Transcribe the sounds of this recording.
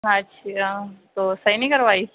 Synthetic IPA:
ɦãt͡ʃit̪oːsɐinɐ̃ĩkɐɾʋaːi

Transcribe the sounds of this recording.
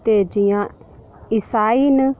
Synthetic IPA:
t̪ed͡ʒĩjã | isainɨ̃

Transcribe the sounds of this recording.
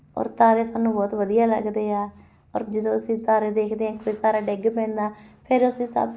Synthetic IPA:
ɔ̰ːɾt̪aːɾeːsaːnũːbɔːt̪ʋəd̪ijaːlə̰ɡd̪eːaː | ɔ̰ːɾd͡ʒəd̪õːəsĩːt̪aːɾeːd̪eːkʰd̪eːãːkoːit̪aːɾaːɖɪɡpɛ̃ːnd̪aːpʰɪɾʊsĩːsə̰b

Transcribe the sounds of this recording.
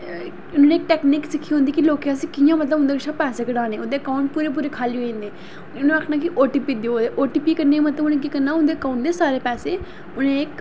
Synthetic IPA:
ʊnːneːk̚ʈɛːkniksɪkʰːiɦõːnd̪ikiloːkjãsɪkʰːijãːmət̪ləbʊnd̪eːkt͡ʃʰãpɛːsekɪɽaːneːʊnd̪eəkaːʊ̃ɳʈ̚puːɾep̬uːɾekʰaːlioẽːnd̪eː | ʊnẽəkʰnãːkiʔoːʈipid̪ioːd̪eʔoːʈipikəɾneãmət̪ləbʊnẽk̬ikəɾnaːʊ̃nd̪eːkaːʊ̃ɳʈd̪esaːɾeːpɛːseː | ʊnẽːk

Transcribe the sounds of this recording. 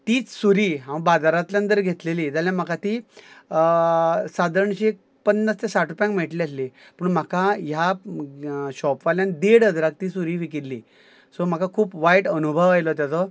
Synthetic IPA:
t̪iːt͡ssuɾiːɦãʋbad͡z̪aɾat̪ljãnənt̪̬əɾɡʱet̪leliːd͡zaljãm̤akat̪iː | sad̪əɾɳɕeek̚ | pənːəst̪ʰesaʈɾupjãŋkm̤ɛʈliasli | pəɳm̤akaja | ɕɔpʋaljand̪eɽəd͡zɾak̚t̪iːsuɾiːʋikiɾlḭː | sɔm̤akakʰuːpʋaiʈənubʱəʋajlɔt̪jat͡sɔ

